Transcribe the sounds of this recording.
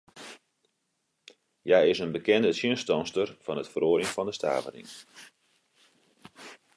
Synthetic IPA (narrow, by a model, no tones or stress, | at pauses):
jaɪsənbəkɛndəsjənstɔnstərfɑnətfəroːlɪŋfɔndəstʰa̰ːvə̰rɪ̰ŋ